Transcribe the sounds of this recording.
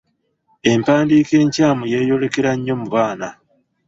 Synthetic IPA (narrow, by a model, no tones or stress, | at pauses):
e̞mpaːndiːke̞ːɲcaːmujeːjo̞le̞ke̞ɾaɲːo̞muβaːna